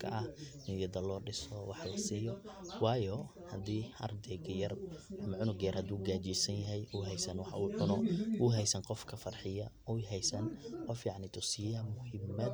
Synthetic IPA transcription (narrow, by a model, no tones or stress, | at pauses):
kʰɐ̰ʔɐhʔɪnjɐðɐlɔːɖɪsɔwɑħlɐsiːjɔwɑːjɔ | hɐd̪iːɐ̰rt̪ʰɛjɡjɐrmʕʊnʊɡɛjɐrhɐd̪uːɡaːt͡ʃiːsɐnjɐɦɛjʔʊɦɛjsɐnwɑħuːʕʊnɔʔʊɦɛjsɐnqɔfkʰɐfɐrħɪjɐʔʊjɦɛjsɐnqɔfjɑʕnɪt̪ʰʊsɪjɐmʊhɪmɐd̪